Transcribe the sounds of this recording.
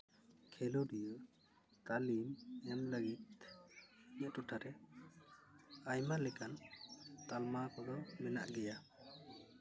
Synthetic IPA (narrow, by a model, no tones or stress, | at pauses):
kʰɛlɔdijɔ | t̪alimɛmləɡit̪̚ | ɲatɔʈʰaɾɛ | ajmalɛkant̪almakɔd̪ɔmɛna̰ʔɡɛja